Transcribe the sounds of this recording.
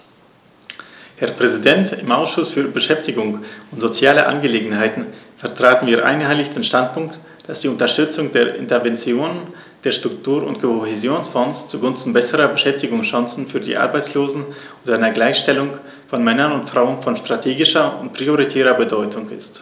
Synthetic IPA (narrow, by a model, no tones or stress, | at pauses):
hɛɐpʁ̥ɛzidɛntɪmʔaʊsʃʊsfyːɐbəʃɛftɪɡʊŋʊntz̥ot͡sjaːlə̰ʔa̰nɡəleːɡŋ̩haɪtn̩fɛɐtʁ̥aːtn̩viːɐʔa̰ɪnhaɪlɪçd̥eːnʃtant̚pʊŋkt | d̥asd̥iːʊntɐʃtʏt͡sʊŋd̥eːɐʔɪ̰ntɛɐvɛnt͡sjoːnən | d̥eːɐʃtʁ̥ʊktʰuːɐʊ̰ntkʰohezjoːnsfɔnst͡suɡʊnstn̩bɛsəʁɐbəʃɛftɪɡʊŋsʃaŋsn̩fyːɐdḭːʔa̰ʁbaɪt͡ssloːzn̩ | ʊntʔaɪnɐɡlaɪçʃtɛlʊŋ | fɔnmɛnɐnʊntfʁ̥aʊənfɔnʃtʁ̥atʰeːɡɪʃɐʊntpʁ̥ioʁitʰɛːʁɐbədɔʏtʰʊŋɪ̰st